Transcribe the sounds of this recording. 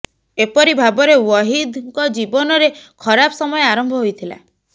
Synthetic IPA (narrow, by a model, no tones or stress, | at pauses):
epɔɾibʱabɔɾewɔɦid̪ŋkɔd͡ʒibɔnɔɾekʰɔɾapɔ̥sɔmɔjeaɾɔmbʱɔɦojt̪ʰila̰